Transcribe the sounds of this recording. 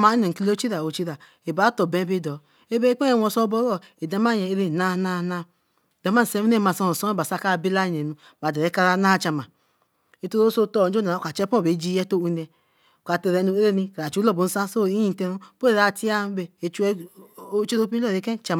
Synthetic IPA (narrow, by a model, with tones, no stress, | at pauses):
ma˧˦i˦nɛ˨ki˧lo˦t͡ʃi˦ɾa˨o˨t͡ʃi˦ɾa˨ | e˨ba˨˦tɔ˨bɛ˨˦be˧˦dɔ˨ | e˦be˦k͡pɛ˦ɛ˧˨wɔ˧˨sɔ˧˦bɔ˦ɾɔ˦˨e˨dɛ˨˧˦ma˦˨jɛ˨e˧ɾe˧˦˨na˧˦na˧na˧˨ | dɛ˨˦ma˦n̩˨sɛ˧mi˦nɛ˦˨ma˧˨sɔ˧ɔ˨sɔ˦ba˨sa˧˦ka˦˨bi˦la˦˨nɛ˨nu˧ | ba˨dɛ˨ɾɛ˨˦ka˧ɾa˧na˦˨t͡ʃa˧ma˨ | e˨to˦ɾo˦so˧tɔ˧˨˦d͡ʒo˦na˨˦˨ka˨t͡ʃɛ˦pɔ̃˦˨be˨˦d͡ʒi˦jɛ˦to˦u˧˦nɛ˧˨ | ka˨tɛ˧ɾɛ˧nu˧˦e˦e˦ni˧ka˨ɾa˨t͡ʃu˦lɔ˦˨bo˨n̩˦sa˦so˦˨i˦jĩ˦˨tɛ˧ɾu˦po˦e˨ɾa˧ti˦a˦be˧˨e˨t͡ʃu˧˦o˦t͡ʃe˦ɾo˦pi˦lɔ˦˨e˨˦kɛ˦˨t͡ʃa˧ma˨